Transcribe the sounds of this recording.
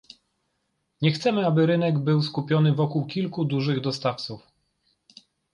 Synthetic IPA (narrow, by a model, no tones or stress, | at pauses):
ɲɛxt̪sɛmɘabɘɾɘnɛɡbɘwskupʲjɔnɘvɔkuwkʲilkud̪uʐɘɣd̪ɔst̪aft̪suf